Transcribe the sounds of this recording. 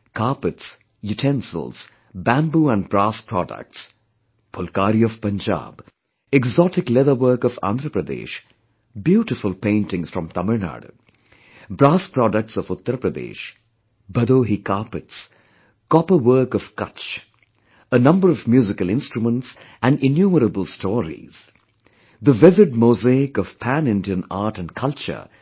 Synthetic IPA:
kaɹpəʈs | juʈʰɛ̃nsə̰ls | bæ̃mbuːæ̃nbɾaːspʰɾɔ̰də̰k̚ʈs | pʰʊlkaːɾiɔv̥pə̃nd͡ʒa̰ːb | ɛɡzɔʈɪklɛðəwəːkɔfã̰nd̪ɾəpɾəd̪ḛːʃ | bjuːʈɪfʊlpẽɪ̃nʈɪ̃ŋsfɾɔ̃mt̪ʌməɾna̰ːɖo̰ | bɾaːspɾɔɖək̚ʈsɔvʊt̪ːəɾpɾəd̪ḛːʃ | bʌd̪oɦikaɹpɪts | kɔpəwəːkɔv̥kʌ̰t͡ʃ | ənʌ̃mbəɾɔvmjuːzɪkəlɪ̃nstɹumə̃nʈs | ʔæ̃nɖɪ̃njuːməɾəbəlˠstʰɔːɾḭz̥ | d̪əʋɪvɪɖ̚moːzeɪkɔv̥pʰæ̃nɪ̃ndiə̃na̰ːʈɨ̃nɖkʰʌlt͡ʃə̰

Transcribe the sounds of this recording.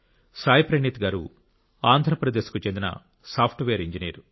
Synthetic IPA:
saːjipɾɐnit̪ɡaːɾṵ | aːnd̪ʱɾɐpɾɐd̪eːskut͡ʃend̪inɐ̰ | saːpʰʈʋeːɾiɲd͡ʒinḛːɾu

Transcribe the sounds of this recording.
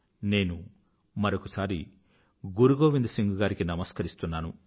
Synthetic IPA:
ne̞ːnu | mɐɾokɐsaːɾi | ɡuɾuɡoːʋind̪usiŋɡuɡaːɾikinɐmɐskɐɾist̪unːaːnu

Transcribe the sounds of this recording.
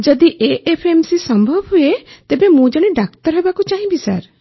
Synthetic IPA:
d͡ʒɔd̪iʔeʔepʰemsisɔmbʱɔbʱɦuet̪ebemũd͡ʒɔɽ̃eɖak̚t̪ɔɾɦebakut͡ʃaɦĩbisa̰ɾ

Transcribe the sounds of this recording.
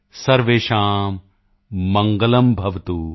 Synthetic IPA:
sɐɾʋeːʃaːmː | ɐŋɡɐlɐmbʱɐʋt̪u

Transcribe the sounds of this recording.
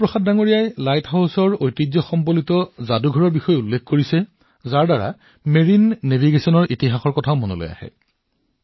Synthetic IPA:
pɹɔxaddaŋoɹijajlajthawsɔɹojtid͡ʒzɔxɔmpolitɔzaduɡʱɔɹɔɹbixɔjulːekʰkoɹisɛ | zaɹdaɹa̰ | meɹinːebʱiɡesɔnɔɹitiɦaxɔɹkɔtʰaʊmono̰lo̰ja̰hɛ̰

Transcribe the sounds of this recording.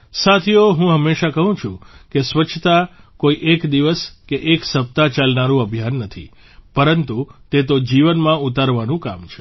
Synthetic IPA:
sat̪ʰijoɦũɦəmːeʃakəɦũt͡ʃʰṵ̃kesʋət͡ʃʰt̪a | koiʔekd̪iʋəskeʔeksəp̚t̪at͡ʃalnaɾũəbʱjanːət̪ʰḭ | pəɾənt̪ut̪et̪̬od͡ʒiʋənmãut̪aɾʋanũka̰mt͡ʃʰe̥

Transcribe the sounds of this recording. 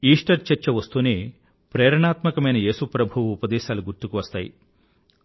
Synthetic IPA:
iːʂʈɐɾt͡ʃɐɾt͡ʃːɐʋɐst̪uːneː | pɾɛːɾɐɳaːt̪mɐkɐmɐjnɐje̞ːsupɾɐbʱuʋuːpɐd̪ɛːʃaːluɡuɾt̪ukuʋɐst̪aːjḭ

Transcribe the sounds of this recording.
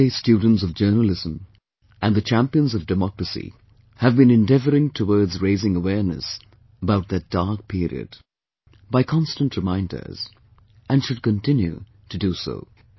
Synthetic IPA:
eɪstjudⁿn̩tsʌvd͡ʒɜ˞nəl̩ˠɪzə̃m | ʔɨ̃nðɨt͡ʃʰæ̃mpiə̃nzʌvdɨmɑkɹɨsḭ | ɨvbɨ̃nɨ̃ndɛvə˞ɪ̃ŋtʰəwɔɹdzɹeɪzɪ̃ŋəwɛɹnɨ̰s | əbaʊt̪̚ðɨt̚d̥ɑɹk̚pʰɪɹḭɨ̰d | baɪkʰɑ̃nstə̃ntʰɹɨmãɪ̃ndə̰˞z̥ | ʔɨ̃nʃɨd̚kɨ̃ntʰɪ̃njṵ | tʰɨduso̰ʊ

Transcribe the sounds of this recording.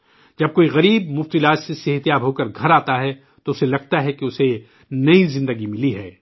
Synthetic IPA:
d͡ʒɐb̚koːiɣɐɾiːb̚mʊft̪ɪlaːd͡ʒsesɪɦət̪ijaːbɦoːkɐɾɡʱɐɾaːt̪aɦɛ | t̪oʊselɐɡ̚t̪aɦɛkeʊse | nɐizɪ̃nd̪əɡimɪliɦɛː

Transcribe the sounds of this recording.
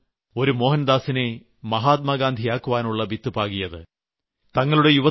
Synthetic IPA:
o̞ɾumo̞ːɦɐnd̪aːsine̞ | mɐɦaːt̪̚mɐɡaːnd̪ʱijaːkːuʋaːnuɭːɐbit̪ːɨpaːɣijɐðɨ | t̪ɐŋːɐɭuɽe̞juʋɐ

